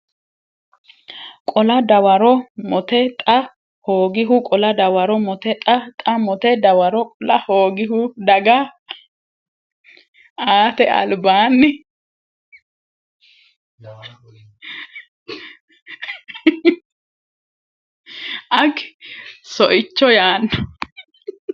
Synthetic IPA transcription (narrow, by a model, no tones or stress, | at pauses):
kʼɔlɐd̪ɐwɐɾɔmɔt̪ɛt̪ʼɐ | hoːɡɪɦʊkʼɔlɐd̪ɐwɐɾɔmɔt̪ɛt̪ʼɐt̪ʼɐmɔt̪ɛd̪ɐwɐɾɔkʼɔlɐhoːɡɪɦʊd̪ɐɡɐ | aːt̪ɛʔɐ̰lbaːnːɪ | ʔɐɡ | sɔʔɪt͡ʃːɔjaːnːɔ